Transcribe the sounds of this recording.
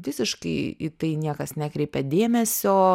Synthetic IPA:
ʋʲɪsʲɪʃkɐɪɪ̰t̪ɐɪnʲiɛkɐsnʲæːkɾʲɛɪpʲɛd̪ʲeːmʲɛsʲoː

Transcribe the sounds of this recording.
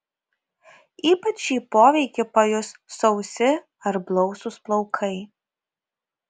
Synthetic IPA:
iːpɐt͡ʃʲːiːpoːʋʲɛɪkʲɪpɐjʊsːɔʊsʲɪ | ɐɾblˠɔʊsʊsplˠɔʊkʰɐɪ

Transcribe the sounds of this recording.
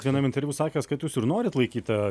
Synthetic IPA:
ʋʲiɛnɐmɪnʲt̪ʲɛɾʲʋʲuːsɑːkʲɛskɐt̪juːsɪɾnoːɾʲɪt̪lˠɐɪkʲiːt̪ɐ

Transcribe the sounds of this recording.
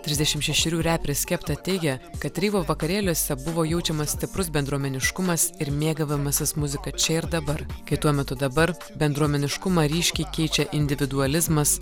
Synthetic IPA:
t̪ʲɾʲɪzʲd̪ʲɛʃʲɪmʃʲɛʃʲɪɾʲuːɾʲæːpʲɾʲesʲkʲɛpt̪ɐt̪ʲɛɪɡʲɛkɐt̪ɾʲiːʋoːʋɐkɐɾʲeːlʲoːsʲɛbʊʋoːjɛʊt͡ʃʲɛmɐssʲt̪ʲɪpɾʊsbʲɛnd̪ɾuɔmʲɛnʲɪʃkʊmɐsɪɾmʲeːɡɐʋʲɪmɐsʲɪsmʊzʲɪkɐt͡ʃʲɛɪɾd̪ɐbɐɾkɐɪt̪uɔmʲɛt̪ʊd̪ɐbɐɾ | bʲɛnd̪ɾuɔmʲɛnʲɪʃkʊmɑːɾʲiːʃʲkʲiɪkʲɛɪt͡ʃʲɛʔɪnʲd̪ʲɪʋʲɪd̪uɐlʲɪzmɐs

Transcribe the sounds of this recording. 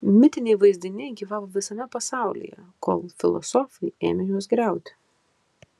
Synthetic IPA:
mʲɪt̪ʲɪnʲɛɪʋɐɪzʲd̪ʲɪnʲɪɡʲiːʋɑːʋoːʋʲɪsɐmʲɛpɐsɑˑʊlʲḭjɛ̰ko̰ːlˠfʲɪlˠɔ̰sɔːfɐɪḛːmʲɛjuɔs̬ɡɾʲæˑʊt̪ʲɪ̥

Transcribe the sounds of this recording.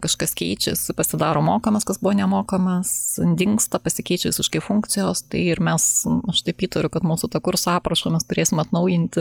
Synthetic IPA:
kɐʃkɐskʲɛɪt͡ʃʲɛ̰sɪpɐsʲɪd̪ɑːɾoːmoːkɐmɐskɐsbʊʋoːnʲɛmoːkɐmɐsnʲd̪ʲɪŋkst̪ɐpɐsʲɪkʲɛɪt͡ʃʲɛʋʲɪsʲɪʃkɐɪfʊŋk̪t͡s̪ʲɪjoːst̪ɐɪɪɾmʲɛsɐʃt̪ɐɪpʲiːt̪ɐɾʲʊkɐt̪muːsʊt̪ɐkʊɾsɑːpɾɐʃoːmʲɛst̪ʊɾʲeːsʲɪmɐt̪nɐʊjɪnʲt̪ʲɪ

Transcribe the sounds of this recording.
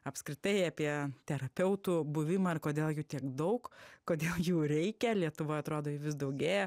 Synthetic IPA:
ɐpskɾʲɪt̪ɐɪɑːpʲiɛt̪ʲɛɾɐpʲɛʊt̪ubʊʋʲɪmɐːɪrkoːd̪ʲeːlˠjuːt̪ʲiɛkd̪ɐʊkkoːd̪ʲeːlˠjuːɾʲɛɪkʲɛlʲiɛt̪ʊʋoːɐt̪ɾoːd̪oːjɪʋʲɪs̬d̪ɐʊɡʲeːjɛ

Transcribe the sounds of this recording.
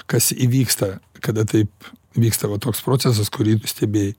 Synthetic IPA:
kɐsiʋʲiːkst̪ɐkɐd̪ɐt̪ɐɪpʋʲiːkst̪ɐʋɐt̪oːkspɾoːt͡ssʲɛs̬ɐskʊɾʲiːsʲt̪ʲɛbʲeːj

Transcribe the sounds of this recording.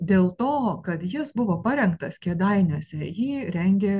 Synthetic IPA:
d̪ʲeːlˠt̪oːkɐt̪jɪsbʊʋoːpɐɾʲɛŋkt̪ɐskʲeːd̪ɐɪnʲuɔsʲɛjiːɾʲɛŋʲɡʲeː

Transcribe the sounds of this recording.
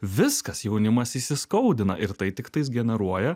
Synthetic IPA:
ʋʲɪskɐsjɛʊnʲɪmɐsiːsʲɪskɐʊd̪ʲɪnɐ̰ʔɪɾt̪ɐɪt̪ʲɪkt̪ɐɪs̬ɡʲɛnʲɛɾuɔjɛ

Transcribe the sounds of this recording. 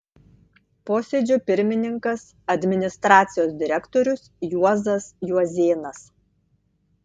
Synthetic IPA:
poːsʲeːd͡ʒʲʊpʲɪɾʲmʲɪnʲɪŋkɐs | ɐd̪ʲmʲɪnʲɪst̪ɾɑːt̪sʲɪjoːsd̪ʲɪɾʲɛkt̪oɾʲʊsjuɔzɐsjuɔzʲeːnɐs

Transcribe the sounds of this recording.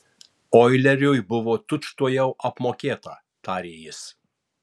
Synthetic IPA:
ɔːɪlʲɛɾʲʊjbʊʋoːt̪ʊʃt̪uɔjɛʊʔɐpmoːkʲeːt̪ɐ | t̪ɑːɾʲeːjɪs

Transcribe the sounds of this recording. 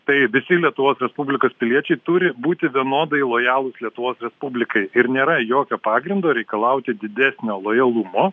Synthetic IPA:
t̪ɐɪʋʲɪsʲɪlʲiɛt̪ʊʋoːsɾʲɛspubʲlʲɪkoːspʲɪlʲiɛt͡ʃʲɛɪt̪ʊɾʲɪbuːt̪ʲɪʋʲiɛnoːd̪ɐɪlˠoːjɑːlˠʊslʲiɛt̪ʊʋoːsɾʲɛspubʲlʲɪkɐɪɪɾnʲeːɾɐjoːkʲoːpɑːɡɾʲɪnd̪oːɾʲɛɪkɐlˠɐʊt̪ʲɪd̪ʲɪd̪ʲæːsʲnʲoːlˠoːjɐlˠumoː

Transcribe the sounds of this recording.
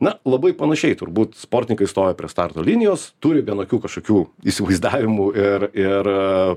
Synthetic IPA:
nɐlˠɐbɐɪpɐnɐʃʲɛɪt̪ʊɾbuːt̪spoːrʲt̪ʲɪnʲɪŋkɐɪst̪oːjɛpʲɾʲiɛst̪ɑrt̪oːlʲinʲɪjoːst̪ʊɾʲɪʋʲiɛnoːkʲuːkɐʃkoːkʲuːisʲɪʋɐɪzd̪ɑːʋʲɪmuːɪrɪr

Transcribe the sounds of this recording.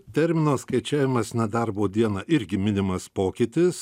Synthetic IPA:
t̪ʲɛɾʲmʲɪnoːskɐɪt͡ʃʲæːʋʲɪmɐsnʲɛd̪ɐɾboːd̪ʲiɛnɑʔɪɾʲɡʲɪmʲɪnʲɪmɐspoːkʲɪt̪ʲɪs

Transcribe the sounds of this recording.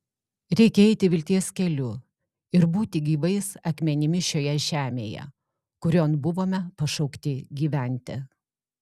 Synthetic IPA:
ɾʲɛɪkʲɛɛɪt̪ʲɪʋʲɪlʲt̪ʲiɛskʲɛlʲʊ | ɪɾbuːt̪ʲɪɡʲiːʋɐɪsɐkmʲɛnʲɪmʲɪʃʲoːjɛʒʲæːmʲḛːjɛ̰ | kʊɾʲoːnbʊʋoːmʲɛpɐʃɐʊkt̪ʲɪɡʲiːʋʲæˑnʲt̪ʲɛ̰

